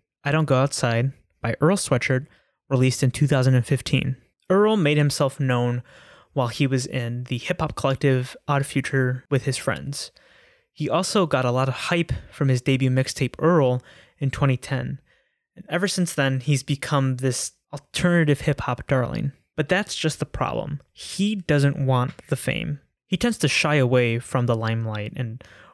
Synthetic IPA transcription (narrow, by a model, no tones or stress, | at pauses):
aɪɾõʊ̃nɡ̥oʊaʊtsaɪd̚ | b̥aɪʔɜ˞lˠswɛt͡ʃə˞d̚ | ɹilistɨ̃ntʰʉθaʊzə̃ndɨ̃nfɪftʰḭ̃n | ɜ˞l̩ˠmeɪd̚hɨ̃msɛlˠfnõʊ̃n | waɪlˠiwʌzɪ̃nðɨhɪphɑp̚kʰəlɛk̚tɪv̥ʔɑd̥fjʉt͡ʃə˞wɨð̥ɨz̥fɹɛ̰̃ndz̥ | hiʔɔlˠsoʊɡɑɾəlɔɾʌv̥haɪpfɹʌ̃mɨzdeɪbjʉmɪkstʰeɪpɜ˞l̩ˠ | ɨ̃ntʰw̥ɛ̃ɾ̃itʰɛ̃n | ɨ̃nɛvə˞sɪ̃nsðɨ̃nizbɨkʰʌ̃mðɪsʔl̩ˠtʰɜ˞nɨɾɨv̥hɪphɑp̚d̥ɑɹlˠɪ̰̃n | b̥ʌt̪̚ðætsd̥ʒ̥ʌst̪̚ðəpʰɹ̥ɑ̰b̥lə̰̃m | idʌzɨ̃nʔwɑ̃nðəfḛ̃ɪ̃m | hitʰɛ̃ndz̥tʰɨʃaɪəweɪfɹʌ̃mðəlãɪ̃mlaɪɾɨ̃n